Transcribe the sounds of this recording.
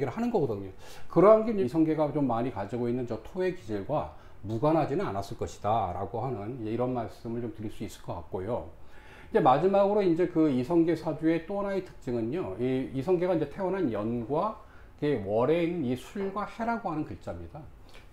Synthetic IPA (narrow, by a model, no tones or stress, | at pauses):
ɡiɾɯɭhanɯnɡʌɡʌdɯɲokɯɾʌɦanɡeisʰʌŋɡe̞ɡat͡ɕomːaɲikad͡ʑiɡoinːɯnt͡ɕʌtʰoe̞kid͡ʑiɭɡwa | muɡanɦad͡ʑinɯna̰nas͈ɯɭk͈ʌɕʰi̥d̥aɾa̰ɡohanɯnid͡ʑe̞iɾʌnmaɭs͈ɯmɯɭt͡ɕomtɯɾiɭs͈uis͈ɯ̥ɭk͈ʌk͈a̰k̚k͈ojo | ind͡ʑe̞mad͡ʑimaɡɯɾoind͡ʑe̞kɯisʰʌŋɡe̞sʰad͡ʑue̞t͈onaitʰɯ̥k̚t͡ɕ͈ɯŋɯɲoiisʰʌŋɡe̞ɡaind͡ʑe̞tʰe̞wʌnɦanjʌnɡwa | kewʌɾe̞innisʰuɭɡwahe̞ɾaɡoɦanɯnkɯɭt͡ɕ͈amɲida